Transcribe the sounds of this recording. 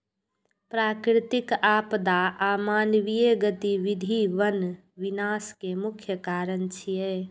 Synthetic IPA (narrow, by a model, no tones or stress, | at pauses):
pɾaːkɾɪt̪ɪkaːpd̪aʔaːmaːnʋijeɡət̪iʋɪd̪ʱiʋən | ʋɪnaːskemʊkʰjəkaːɾənt͡ʃʰijeː